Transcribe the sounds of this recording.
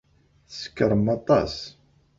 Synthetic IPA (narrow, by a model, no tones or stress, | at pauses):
θə̥skːəɾˤmɑt̪ˤɑ̰s